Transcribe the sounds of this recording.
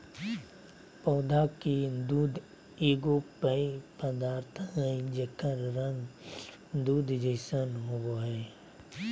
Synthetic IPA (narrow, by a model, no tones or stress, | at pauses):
pɔːd̪ʱakid̪uːd̪ | eːɡopəipəd̪aːɾt̪ʰɦə̃d͡ʒekəɾɾə̃ŋɡ | d̪uːd̪d͡ʒəɪsənɦowoɦɛː